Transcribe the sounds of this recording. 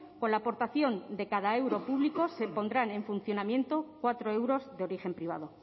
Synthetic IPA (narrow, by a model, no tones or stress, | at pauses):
ko̞nlaːpo̞ɾt̪aθjo̞nd̪e̞kaðae̞wɾo̞puβliko̞se̞po̞nd̪ɾane̞ɱfun̟θjo̞namjẽ̞nt̪o̞kwat̪ɾo̞e̞wɾo̞zðeo̞ɾixe̞mpɾiβa̰ðo̞